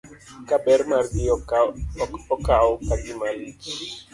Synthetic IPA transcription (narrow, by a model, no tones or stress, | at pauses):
kaɓɛɾmardi | ɔkaopadimalit͡ʃ